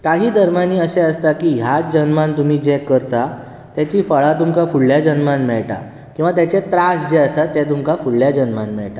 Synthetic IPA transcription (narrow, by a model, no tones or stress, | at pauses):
kaɦiːd̪ʱəɾmaniːəseəst̪akiːɦjad͡ʑənmãnt̪um̤iːd͡ʑɛ̃kəɾt̪a | t̪jat͡ɕiːfəɭat̪umkafuɭljad͡ʑənmãnmɛɭʈa̰ | kĩw̃ʋat̪jat͡ɕet̪ɾasd͡ʑeəsat̪ːɛt̪umkafuɽːjad͡ʑənmanmɛɭʈa